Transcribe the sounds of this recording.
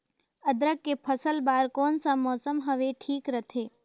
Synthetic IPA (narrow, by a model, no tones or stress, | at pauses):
ɐd̪ɾəkːepʰəsəlbaːɾkɔːnsãmɔːsəmɦɐʋeʈʰiːkɾɐt̪ʰeː